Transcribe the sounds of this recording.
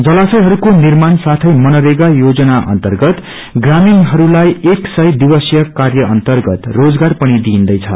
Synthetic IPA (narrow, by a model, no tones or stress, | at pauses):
d͡zʌlasʌjɦʌɾukonirmansat̪ʰʌjmʌnʌɾeɡajod͡zʌnaʔʌ̰nt̪ʌrɡʌt̪ | ɡraminɦʌɾulajeksʌjd̪ibʌsjʌkarjʌʔʌnt̪ʌrɡʌt̪rod͡zɡarpʌɽ̃id̪iːnd̪ʌjt͡sʰʌ̰